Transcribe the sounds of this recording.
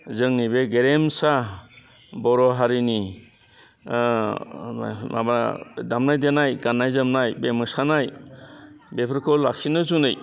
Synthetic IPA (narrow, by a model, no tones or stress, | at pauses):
zɯŋnibeɡeɾemsa | bɔɾɔɦaɾini | ma̰ba̰damnajdenajɡanːajzɯmnajbemɯsanaj | bepʰɾkɔlːak̚sinɯzunɯj